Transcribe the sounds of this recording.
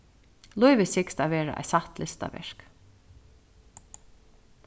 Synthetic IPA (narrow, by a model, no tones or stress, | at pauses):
lʊjʋɪsɪkst̪aːʋeːɹa̰ʔa̰jsaht̪lɪst̪a̰ʋɛ̰ɹ̥k